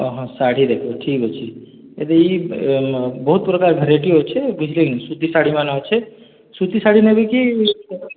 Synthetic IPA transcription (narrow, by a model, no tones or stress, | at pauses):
əɦʌ̃saɽ̤id̪ekʰoʈʰikɦot͡ʃʰi | ḛd̪ii | bəɦut̪pɾəkaɾɡʱəɾeʈiɦot͡ʃʰɛbid͡ʒʰlisut̪isaɽ̤imanaɦot͡ʃʰɛ | sut̪isaɽ̤inebiki